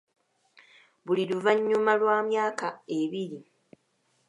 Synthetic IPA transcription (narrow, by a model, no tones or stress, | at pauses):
βuliluvaɲːumalwaːmjaːkaeβiɾi